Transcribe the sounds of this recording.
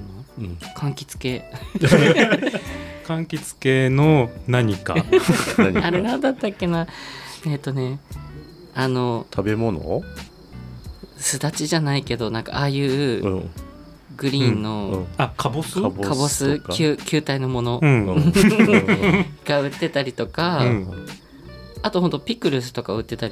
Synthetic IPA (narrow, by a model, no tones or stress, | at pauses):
nokʰãŋkʲi̥t͡sɨ̥ke̞ | kãŋkʲit͡sɨ̥ke̞nonaɲ̟ika̰ | aɾenãnd̪at̪ːakʲːe̞naeːt̪ːo̞ne̞ | ano̞t̪ʰabe̞mo̞no̰ | sɨd̪at͡ɕiʑanaike̞d̪o̞nãŋka̰ʔaːjɯ̟ː | ɡɯ̟ɾʲĩnːo̞akʰabosakʰabosɨkʰʲɨːkʲɨːt̪aino̞mo̞no̞ | ɡ̥aɯ̟t̪ːe̞t̪aɾʲit̪o̞ka | t̪o̞hont̪opʲikɯ̟ɾɯ̟sɨ̥t̪o̞kaɯ̟t̪ːe̞t̪aɾʲi